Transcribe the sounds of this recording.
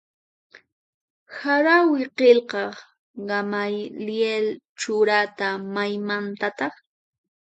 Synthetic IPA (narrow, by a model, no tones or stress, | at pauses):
haɾawɪqelqɑ | ɢɑmajljelt͡ʃʊɾat̪amajmant̪at̪ɑχ